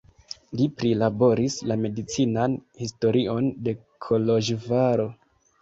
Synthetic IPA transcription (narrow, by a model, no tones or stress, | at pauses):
lipɾilabo̞ɾislame̞dit͡sinanhisto̞ɾio̞nde̞ | kʰo̞loʒvaɾo̞